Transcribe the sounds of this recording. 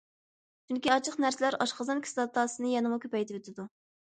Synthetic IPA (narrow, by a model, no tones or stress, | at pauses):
t͡ʃʰyŋkʲiɑt͡ʃʰəqnæɾsɪlæɾɑʃqəzɑnkʲʰi̥slˠɑt̪ʰɑːsɨnɨjɛnɨmukʲøpɛjt̪ɪøt̪ʰɪd̪u